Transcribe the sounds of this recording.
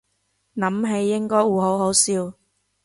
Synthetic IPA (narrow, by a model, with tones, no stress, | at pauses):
nɐ˨˥mɦe˨˧jːɪ˥ŋkɔː˥jwuː˨˩ɦo˨˥wɦo˨˥wsiː˧w